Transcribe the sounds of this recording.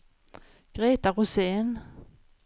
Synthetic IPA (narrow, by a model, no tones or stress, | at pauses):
ɡ̥ʁeːt̪aʁʊseːn